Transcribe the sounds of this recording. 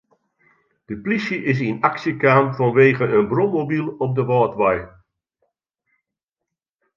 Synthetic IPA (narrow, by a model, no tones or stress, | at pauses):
d̥əpliʃjəʔɪs̬inaksjəkaːmfɔnʋeːɣəənbrommobilˠɔp̚dəʋɔːtʋaj